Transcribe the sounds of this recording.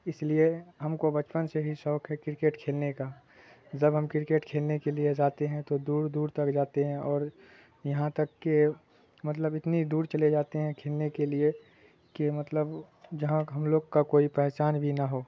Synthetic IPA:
ɪslieɦɐmkobɐt͡ʃpənseɦisɔːkʰɦɛkɾɪkeːʈkʰeːlneka | d͡ʒɐbɦɐmkɾɪkeːʈkʰeːlnekelied͡ʒaːt̪eɦɛ̃t̪od̪uːɾd̪uːɾt̪ɐkd͡ʒaːt̪eɦɛ̃ʔɔːɾ | jɐɦãt̪ɐkːe | mɐt̪ləbɪt̪nid̪uːɾt͡ʃɐled͡ʒaːt̪eɦɛ̃kʰeːlnekelie | kemɐt̪ləb | d͡ʒɐɦãɦɐmloːɡkakoːipɛɦt͡ʃaːnbʱinaɦoː

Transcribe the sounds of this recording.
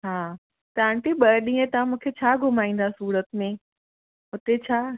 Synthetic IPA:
ɦaː | t̪ɐãɳʈiɓɐɾɗĩːə̃t̪ɐãmũːkʰet͡ɕʰaːɡʱʊmaːĩːn̆d̪asuːɾət̪mẽ | ɦʊt̪et͡ɕʰaː

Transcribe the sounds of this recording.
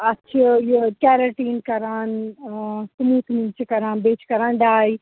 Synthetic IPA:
ɐtːʃʰijekɛːɾaʈiːnkɐɾaːn | sumuːt̪ʰmint͡ʃɐkɐɾãːnbeːt͡ʃʰkɐɾãːnɖaːj

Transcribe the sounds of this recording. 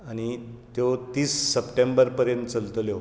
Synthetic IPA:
aɽ̃it̪jot̪iːsːəpʈẽmbəɾpəɾjənt̪̚t͡səlt̪ljo

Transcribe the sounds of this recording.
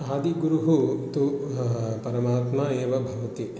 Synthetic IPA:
aːd̪iɡuɾuɦut̪u | pɐɾɐmaːt̪maːeːʋɐbʱɐʋɐt̪i

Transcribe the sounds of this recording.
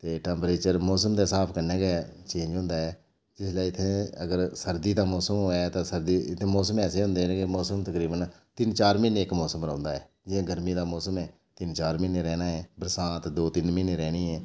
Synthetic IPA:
t̪eːʈɛ̃ːmpɾeːt͡ʃəɾmɔːsəmd̪eːsaːpʰkənɛːɡɛːt͡ʃẽːnd͡ʒɦʊ̃ːnd̪aːɦɛː | d͡ʒɪslaiɪt̪ʰːẽːəɡəɾsəɾd̪iːd̪aːmɔːsəmɛːt̪ãːsəɾd̪iːɪt̪ʰẽːmɔːsəmɛːseːɦʊ̃nd̪eːnekemɔːsəmt̪əkɾiːbən | t̪ɪnt͡ʃaːɾmɪnːkmɔːsəmɾə̃ːnd̪aːɦɛː | d͡ʒɪẽːɡəɾmiːd̪aːmɔːsəmɛː | t̪ɪnt͡ʃaːɾmɪneɾɛːnaːɦɛːbəɾsãːt̪d̪oːt̪ɪnmɪneɾɛːɽ̃iːɦɛː

